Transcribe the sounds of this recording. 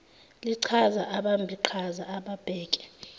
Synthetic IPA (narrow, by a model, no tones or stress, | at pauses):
liǀʰazaʔaɓambʱiǃʰazaːɓab̥ʱɛːkʼɛ̥